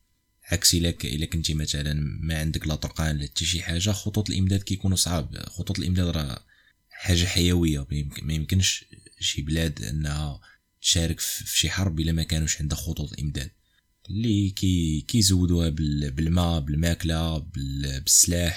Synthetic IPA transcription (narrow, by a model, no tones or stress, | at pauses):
ʕaksilækʔə̰lːækənt̪imæt̪ælənmæʕənd̪əklɑt̪ˤɾqɑnlæt̪ːiʃiħaʒːaxot̪ˤut̪ˤəlʔəmd̪æd̪̚kæjkunusˤʕɑb̚xot̪ˤut̪ˤlʔəmd̪æd̪ɾˤɑ̰ | ħaʒːaħajæwəjːamæjəmkənʃʃiblæd̪ʔə̰nːhæ | t̪ʃæɾəkfʃiħɑɾˤbʔəlæmækænuʃʕənd̪əxot̪ˤut̪ˤəlʔə̰md̪æ̰d̪̥̚ | likæjkæjzəwːəd̪uhæbəlbəlmæbəlmæklabəbəsːlaħ